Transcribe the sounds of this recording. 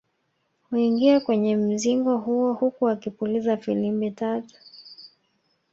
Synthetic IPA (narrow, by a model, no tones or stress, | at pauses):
huiŋɡiakwɛɲɛm̩ziŋɡɔɦuɔhukuakipulizafilimbɛtatu̥